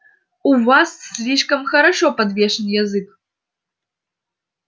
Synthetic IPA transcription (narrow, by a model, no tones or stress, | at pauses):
uvasslʲiʂkɐmxɐɾɐʂopɐd̪vʲeʂɨnjɐzɨk̚ʼ